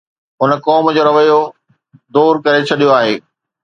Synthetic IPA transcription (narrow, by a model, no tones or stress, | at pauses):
ɦʊnəkɔːmd͡ʑoːɾɐʋəjo | d̪oːɾkɐɾet͡ɕʰɐɗijoaːɦḛː